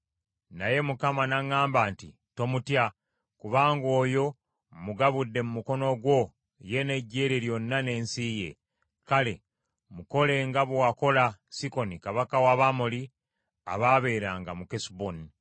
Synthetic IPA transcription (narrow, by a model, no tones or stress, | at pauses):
naje̞mukamanaŋːaːmbaːntḭ | to̞mutja | kuβaːŋɡo̞ːjo̞ | muɡaβudːe̞mumuko̞no̞ɡwo̞ | je̞ne̞ɟːeːɾeɾjo̞nːane̞ːnsije̞̰ | kale̞̰ | muko̞le̞ŋɡaβwako̞lasiko̞nikaβakawaβamoli | a̰βaːβe̞ːɾaːŋɡamukesboni